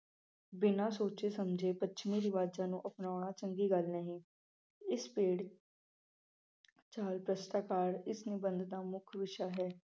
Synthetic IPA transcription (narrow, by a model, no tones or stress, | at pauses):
bɪnãːsoːt͡ʃeːsəmd͡ʒeːpətːʃʰmĩːɾɪʋaːd͡ʒãːnũːʔəpnaːɽ̃ãːt͡ʃəŋɡiːɡəlnəɦĩː | ɪspeːɽ | t͡ʃaːlpɾəst̪aːkaːɾɪsnɪbənd̪d̪aːmʊkʰʋɪʃaːɦɛː